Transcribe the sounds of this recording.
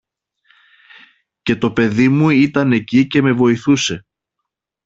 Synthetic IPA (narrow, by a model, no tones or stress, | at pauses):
ce̞t̪o̞pe̞ðimuit̪ɐne̞cice̞me̞vo̞iθuse̞